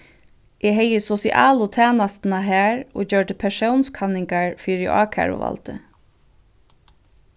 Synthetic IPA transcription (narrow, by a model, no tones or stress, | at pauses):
ʔɛɦɛjəsɔsɪʔa̰ːlʊt̪ʰæːnast̪naɦæːɹo̰ːt͡ɕœɹʈəpʰɛʂownskʰanɪŋkaɹfiːɹɪʔɑ̰ːkʰa̰ɹʊ̰ʋa̰lt̪ɪ